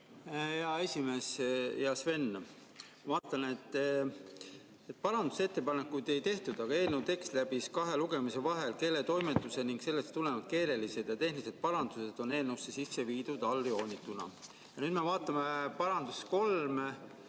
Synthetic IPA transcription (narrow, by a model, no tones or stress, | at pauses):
heɑe̞sʲime̞sjɑsve̞nː | vɑːt̪ˑːɑnet̪ːˑ | et̪̚ːˑpɑɾɑnd̪u̥se̞t̪ːe̞pɑnekːˑujd̪̥e̞jt̪e̞ht̪ud̪̥ɑɡ̥ɑe̞ːlnewt̪e̞kst̪læb̥iskɑɦe̞luɡ̥e̞mise̞vɑɦe̞lke̞lːet̪o̞jmet̪ːˑuse̞niŋkse̞lːest̪ule̞vɑd̪̚ke̞ːɾe̞lise̞d̪̥jɑt̪e̞ɦnlise̞d̪̥̚pɑɾɑnd̪̥use̞d̪̥o̞ne̞ːlnewsːe̞sisːe̞viːd̪̥ud̪ɑlːio̞ːnʲit̪ːˑunɑ̰ | jɑnyːd̪mevɑːt̪ːˑɑmepɑɾɑnd̪usko̞lm